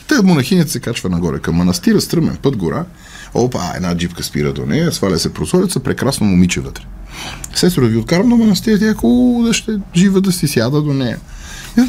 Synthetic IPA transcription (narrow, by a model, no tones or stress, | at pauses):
t̪əkmonɐxinɛt̪ɛsɛkat͡ʃvənɐɡɔɾɛ̰kɐmːɐnɐst̪iɾəst̪ɾɤmɛ̰npɤd̪ɡoɾʔa | o̰paɛ̰d̪nad͡ʒipkəspḭɾə̰d̪o̰nɛjəsvalʲɛsɛpɾozɔlit̪səpɾɛkɾasnomʊmit͡ʃɛvət̪ɾɛ̥sɛst̪oɾviot̪̚kaɾɐmd̪omɐnɐst̪iɾət̪iɐkod̪ɐʃt̪ɛʒivəd̪ɐsisjad̪əd̪onɛjə̰